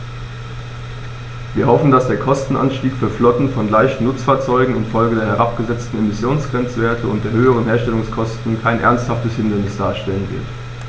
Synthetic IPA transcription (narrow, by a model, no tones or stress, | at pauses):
viːɐɦɔfn̩dasd̥eːɐkʰɔstn̩ʔa̰nʃtiːkfyːɐflɔtn̩fɔnlaɪçtn̩nʊt͡sfaːɐt͡sɔʏɡŋ̩ɪnfɔlɡədeːɐɦɛʁapɡ̥əzɛt͡stn̩emɪsjoːnsɡ̥ʁɛnt͡sv̥eːɐtʰəʊntd̥eːɐhøːəʁ̞ənɦeːɐʃtɛlʊŋskʰɔstn̩kʰaɪnʔɛ̰ɐnsthaftəshɪndəl̩nɪsd̥aːɐʃtɛlənvɪ̰ɐt